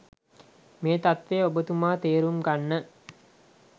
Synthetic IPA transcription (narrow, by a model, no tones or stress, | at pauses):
meːt̪at̪ʋeːobət̪umaːt̪eːɾumɡanːə